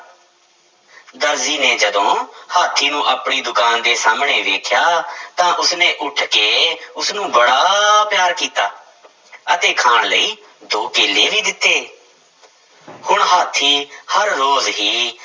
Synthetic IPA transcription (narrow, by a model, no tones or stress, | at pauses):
d̪əɾziːneːd͡ʒəd̪õːhaːt̪ʰːiːnũːʔəpɳiːd̪ʊkaːnd̪eːsaːmɳeːʋeːkʰjaːt̪ãːʔʊsneːʔʊʈʰkeːʊsnũːbəɽaːpjaːɾkiːt̪aː | ət̪eːkʰaːɳləiː | d̪oːkeːlːeːʋiːd̪ɪt̪ːeː | hʊɳɦaːt̪ʰːiːhəɾːoːzɦiː